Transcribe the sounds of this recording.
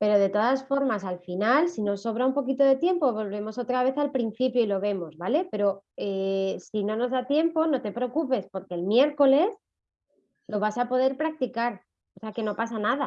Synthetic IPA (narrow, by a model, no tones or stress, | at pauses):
pe̞ɾo̞ðe̞t̪o̞ðasfo̞ɾmasalfinalsino̞sːo̞β̞ɾaumpo̞kit̪o̞ðe̞t̪je̞mpo̞βo̞lβ̞e̞mo̞so̞t̪ɾaβ̞e̞θalpɾin̟θipjoilo̞β̞e̞mo̞zβale̞pe̞ɾo̞esino̞no̞zðat̪je̞mpo̞no̞t̪e̞pɾe̞okupe̞spo̞ɾke̞lmje̞ɾko̞le̞s | lo̞β̞asapo̞ð̞e̞ɾpɾak̚t̪ikaɾ | oseake̞no̞pasanaða